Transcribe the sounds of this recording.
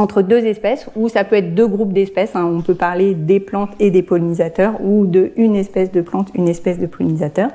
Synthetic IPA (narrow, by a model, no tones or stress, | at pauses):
ɑ̃t̪χəd̪øzɛspɛsusapøɛt̪χd̪øɡʁup̚d̪ɛspɛsɛ̃ɔ̃pøpaʁled̪eplɑ̃t̪ed̪epɔlinizat̪œʁud̪əynɛspɛsd̪əplɑ̃t̪ynɛspɛsd̪əpɔlinizat̪œːʁ